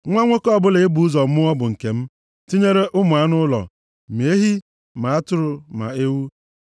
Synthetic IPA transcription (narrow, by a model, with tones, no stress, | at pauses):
ŋʷa˦ŋʷo˦kɔ˦ɔ˦˨bʊ˦le˨ɪ˦bu˨˦u˦zɔ˨˦mʊ˦ɔ˦bʊ˨ŋ̩˨ke˨m̩˦ | ti˦ɲe˦ɾe˦ʔʊ˦mʊ˨a˦nʊ˦lɔ̰˨ | me˨˦ɦi˦ | ma˨a˦tʊ˦ɾʊ˨ma̰˨e˦wu˦